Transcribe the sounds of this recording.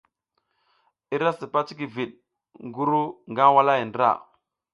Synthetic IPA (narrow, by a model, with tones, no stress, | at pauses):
i˦ɾa˦si˨pa˦t͡ʃi˦ki˨vi˨ɗ̚ | ŋɡu˦ɾu˦ŋɡa˦wa˦la˦ji˨ndɾa̰˦˨